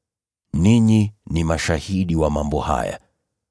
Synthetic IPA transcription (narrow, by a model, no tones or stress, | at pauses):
niɲinimaʃahiɗiwamambɔha̰ja̰